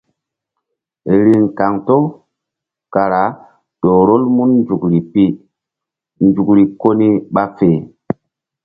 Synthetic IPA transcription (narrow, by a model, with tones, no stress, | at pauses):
ɾi˨ŋka˨ŋto˦ | ka˨ɾa˨˦ | ɗo˨ɾo˦lmu˦nnd͡ʒu˨kɾi˨pi˦ | nd͡ʒu˨kɾi˨ko˦ni˦ɓa˦feː˨